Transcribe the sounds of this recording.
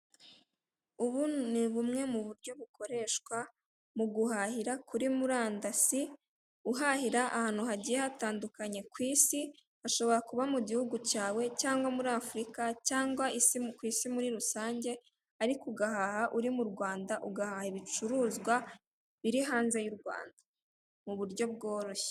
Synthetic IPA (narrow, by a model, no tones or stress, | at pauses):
uβuniβumŋe̞muβuɾɟo̞βuko̞ɾe̞ʃkwa | muɡuɦahiɾakʰuɾimuɾaːndasi | uɦahiɾaʔːhaːn̥uɦaɟijehataːndukaɲe̞kwiːsi | haʃo̞βo̞ɾakuβamuɟihuɡucaːwe̞caːŋɡwamuɾaːfuɾikacaːŋɡwaisikwisimuɾiɾusaːɲɟe̞ | aɾikuɡahahaʔuɾimuɾɡwaːndaʔuɡahahiβit͡ʃuɾuːzɡwa | βiɾiɦaːnze̞juɾɡwa̰ːndḁ | muβuɾɟo̞b̚ɡo̞ːɾo̞ʃe̥